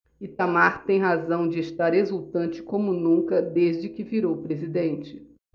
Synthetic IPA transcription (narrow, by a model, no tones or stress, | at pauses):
ɪt̪amaɾt̪ẽj̃ɦazɐ̃w̃d͡ʒɪest̪aɾɦezuwt̪ɐ̃nt͡ʃɪ̥kõmʊnũkɐd̪ezd͡ʒɪkɪviɾowpɾezid̪ẽnt͡ʃɪ̥